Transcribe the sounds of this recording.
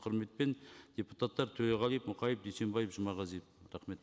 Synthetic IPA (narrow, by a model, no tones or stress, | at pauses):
qʰəɾme̞t̪̚pe̞nd̪̥ʲepu̥t̪at̪ːɑɾt̪ʰɵɾeʁɑlˠijəpmʊqʰɑjəp̚d̪ejse̞mbɑjəpʒəmɑʁɑzijp̚ɾæχme̞t̪